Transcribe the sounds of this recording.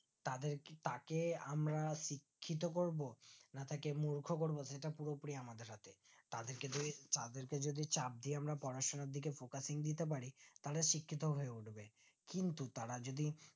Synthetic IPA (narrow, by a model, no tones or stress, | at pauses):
t̪ad̪eɾt̪akeamɾaʃikʰːit̪̬okoɾbonat̪ʰakemuɾkʰokoɾboeʈapuɾopɾiaamad̪eɾɦat̪ʰet̪ad̪eɾked̪it̪ad̪eɾked͡ʑod̪it͡ɕap̚d̪ieamɾapɔɾaʃonaɾd̪ʱikefokasiŋd̪it̪ep̬aɾit̪aɾaʃikʰːit̪oɦoeuʈʰbe | kint̪ut̪aɾad͡ʑod̪i